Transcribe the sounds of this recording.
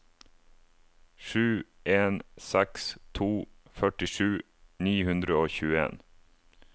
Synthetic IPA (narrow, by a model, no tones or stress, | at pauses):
ʃʉːʔeːnsɛkst̪ʰuːfœʈɪʃʉː | niːhʉnd̪ɾəoːçʉːəḛːn